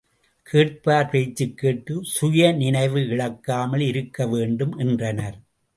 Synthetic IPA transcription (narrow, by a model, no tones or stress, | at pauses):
kʰeːʈ̚paːɾʋɐɪt͡ʃːɯkːeːʈːɯsʊjɐnɪnɐɪʋɯɪɭɐkːaːmɐlɪɾɯkːɐʋeːɳɖɯmʔɛndrɐnɐɾ